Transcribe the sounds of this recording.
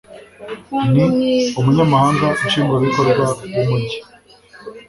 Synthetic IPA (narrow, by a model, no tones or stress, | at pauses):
niomuɲamahaːŋɡaʔuʃiːŋɡoβikoɾɡwawumuɟi